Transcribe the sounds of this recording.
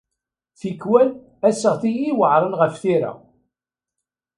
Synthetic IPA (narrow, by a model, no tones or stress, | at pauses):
θikːwæl | æsəʁθijiwəʕɾˤənʁəfθiɾa̰